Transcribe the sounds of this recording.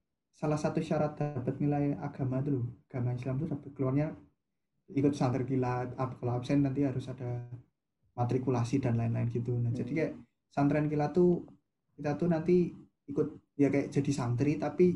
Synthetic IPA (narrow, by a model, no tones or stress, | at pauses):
salahsat̪uʃaɾat̪̚d̪aa̤pət̪̚nilaja̰ɡ̥a̤mad̪uluaɡ̥a̤maislamt̪ud̪apəkəluarɲa | ikʊt̪sant̪ɾɛnkilaapakaloapsɛnːant̪iɦaɾʊsad̥a̤ | mat̪ɾikulasidanlaɪnlaɪnɡit̪unad͡ʒad̥ikajaʔ | sant̪ɾɛnkilat̪u | kit̪at̪unant̪i | ikʊt̪̚ | jakajaʔd͡ʒ̥a̤d̥i̤sant̪ɾit̪api